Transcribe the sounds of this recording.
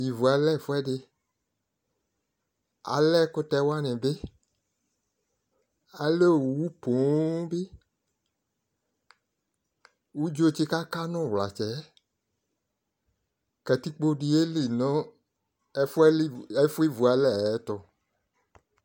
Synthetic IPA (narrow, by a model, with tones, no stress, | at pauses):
ji˨vu˨a˨lɛ˦˨fʊ˦ɛ˦de˦ | a̰˨lɛ˦kʊ˦tɛ˧wa˦nɛ̃˨be˦ | a˨le˦o˨wu˨wu˦po˨˦be˦ | wu˦d͡ʒo˦˨t͡ʃe˦ka˦ka˦nɔ̃˦˨wla˨t͡ʃɛ˨˦ | kɛ˨t̪i˦k͡po˦ɖi˨e˦li˨nɔ̃˦ | fɛ˦e˦fu˦e˦vu˨a˨lɛ˦˨ɛ˦t̪ɔ˨